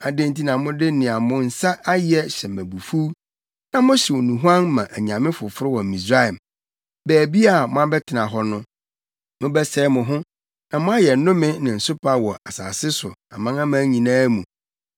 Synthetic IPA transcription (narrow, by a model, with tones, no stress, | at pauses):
a˨dɪ̃˦n˦ti˦nã˨mʊ̃˦dɪ˦nɪ̃˨a˨mʊ̃˦n̩˨sa˦ʔa˦jɪ˨˦ɛ˦ɕɛ˨mæ̃˨bu˨fu˦ | nã˨mʊ̃˦ɕɛ˨wo˨nũ˨ɦu˦ã˦nmã˨ʔæ˨ɲ˨ã˨mɪ̃˦fʊ˨fʊ˦ɾɪ˦wɔ˨m̩˨mĩ˨s̬ɾa˦ɛ˨m | bæː˨bi˦a˨mʊ̃˦a˦bɛ˦tʰɪ˨nã˨ɦɔ˦nʊ̃˦ | mʊ̃˦bɛ˦sɛ˦mʊ̃˨ɦʊ̃˦ | nã˨mʊ̃˦a˦jɛ˨˦nʊ̃˦mɪ̃˦nɪ̃˨n̩˨sʊ˦pʰa˦wɔ˨a˨sa̰ː˨sɪ˦sʊ̰˨a˨mã˦ŋã˦mãː˦ɲĩ˨nãː˦mũ˨